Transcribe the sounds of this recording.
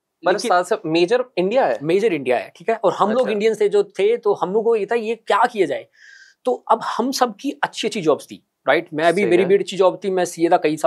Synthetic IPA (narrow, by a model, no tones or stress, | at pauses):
lɐkɪaːlsɐmeːd͡ʒəɾɪ̃ɳɖijaɦɛːmeːd͡ʒəɾɪ̃ɳɖija̰ɦɛ̰ːʈʰiːkɦɛʔɔːɾɦɐmloːɡɪ̃ɳɖijənst̪ʰed͡ʒoːt̪ʰet̪ohɐmloːɡojiːt̪aɦɛjekjaːkijad͡ʒa̰ːeː | t̪oɐbhɐmsɐb̚kiɐtːʃʰetːʃʰid͡ʒɔːbst̪ʰḭː | ɾaːɪʈmɛ̃ɐbʱiʋeːɾibeʈɐːʃʰid͡ʒɔːbt̪ʰimɛ̃sijeːd̪akɐisaː